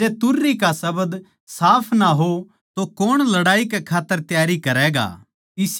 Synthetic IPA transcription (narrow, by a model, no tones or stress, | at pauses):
eːt̪ʊɾːikasɐbəd̪ | saːpʰnaɦo | t̪okoːɽ̃lɐɽaːikekʰaːt̪ːəɾt̪jaːɾikɐɾɛːɡa̰ː | ɪs